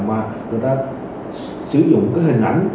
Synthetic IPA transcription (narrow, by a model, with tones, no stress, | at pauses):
maː˨˩ŋɨ˨˩əjt̪aː˧ | sɨ˧˩zʊ̰˧˨ŋ͡mkaː˨˦jhï˨˩ŋ̟ʔa̰˧˩jŋ̟